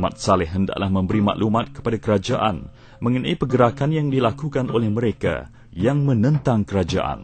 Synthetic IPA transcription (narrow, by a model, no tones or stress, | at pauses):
mat̪̚salɛhənda̰ʔlahmə̃mbəɾimã̰ʔlumãt̪̚kə̥padakəɾad͡ʒaʔan | mə̃ŋənãipəɡəɾakanjaŋdilakukanʔolɛhmə̃ɾeka̰ | jaŋmə̃nə̃nt̪aŋkəɾad͡ʒa̰ʔa̰n